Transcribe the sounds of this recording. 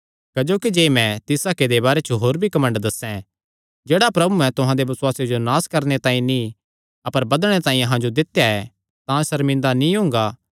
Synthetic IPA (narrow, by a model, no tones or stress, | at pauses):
kɐd͡ʒoːkid͡ʒeːmɛ̃t̪ɪsaːked̪ebaːɾet͡ʃoɦoːɾbʱikɐmə̃ɳɖd̪ɐsɛ̃ | d͡ʒeːɽapɾɐbuɛ̃t̪ʊɦãd̪ebɐswaːsjed͡ʒonaːskɐɾñet̪ãːĩnĩ | ɐpəɾbɐd̪ɽ̃et̪ãːĩɐɦãd͡ʒod̪ɪt̪jaɛ | t̪ãsɐɾmɪ̃nd̪anĩɦʊ̃ːŋɡa